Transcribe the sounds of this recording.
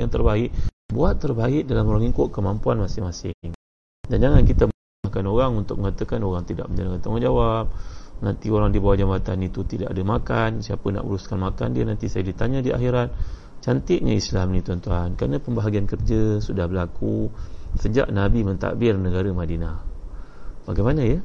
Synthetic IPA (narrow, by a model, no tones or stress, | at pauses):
jaŋt̪ərbaɪʔ̚buat̪ːərbaɪʔ̚dalamoɾaŋikʊʔkəmampuanmasɪŋmasɪŋ | dand͡ʒaŋankit̪am | akanoɾaŋunt̪ʊk̚məŋat̪əkanoɾaŋt̪ida̰ʔməɲd͡ʒanaŋant̪aŋand͡ʒawap̚nant̪ioɾaŋdibawad͡ʒamat̪anit̪ut̪ida̰ʔadəmakansiapəna̰ʔṵɾuskanmaka̰ndiənant̪isajadit̪aɲadia̰xiɾat̪̚ | t͡ʃant̪ɪʔ̚ɲaislamnit̪uant̪uɦankɾanəpəmbaɦaɡiankərd͡ʒəsudahbəlakusəd͡ʒa̰ʔnabimənt̪a̰ʔbɪrnəɡaɾəmadinah | baɡajmanəjə